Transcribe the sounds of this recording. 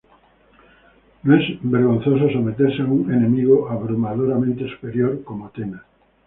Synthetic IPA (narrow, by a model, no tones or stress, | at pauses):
nõɛzbeɾɣõn̟θos̬osomet̪eɾseauŋenemiɣoaβɾomaðoɾamẽnt̪esu̥peɾjoɾkomot̪ena